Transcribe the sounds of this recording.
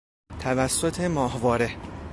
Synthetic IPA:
t̪ʰævæsːot̪ʰe̞mɒːhvɒːɾe̞

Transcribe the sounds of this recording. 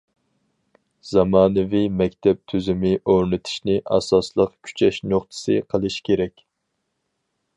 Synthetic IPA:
z̥ɑmɑːnɨvimɛkʲt̪ʰɛp̚t̪ʰyzɪmɪʔoɾnɨt̪ʰɪ̥ʃnɪʔɑ̰sɑslˠəqkʲʰy̥t͡ʃʰɛʃnoχt̪ʰɨ̥sɨ̰qʰəlˠɨʃkʲʰeɾɛkʲ

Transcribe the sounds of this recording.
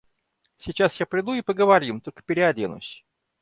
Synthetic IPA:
sʲɪt͡ɕasjapɾʲɪd̪uipəɡəvɐɾʲimt̪olʲkə̥pʲɪɾʲɪɐd̪ʲenʊ̰sʲ

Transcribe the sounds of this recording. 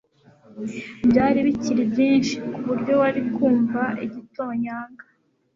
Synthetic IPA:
bjaːɾiβiciɾibɟiːnʃikuβuɾjo̞waɾib̚ɡuːɱvaiɟito̞ːɲaːŋɡa

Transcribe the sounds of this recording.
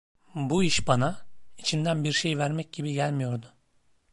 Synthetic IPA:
buiʃbanait͡ʃʰind̪ænbiɾʃe̞jvæɾmɛc̚ɟibiɟælʲmijo̞ɾd̪ʊ

